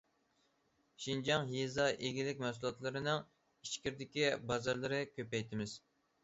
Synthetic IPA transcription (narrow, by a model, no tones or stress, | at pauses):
ʃind͡ʒɑŋjezɑʔeɡʲilɪkʲmɛsulˠɑt̪lˠɨɾɨnɨŋ | iʃkʲiɾd̪ɪkʲibɑzɑɾlˠɨɾɨkʲʰøpɛjt̪ʰɪmɪz̥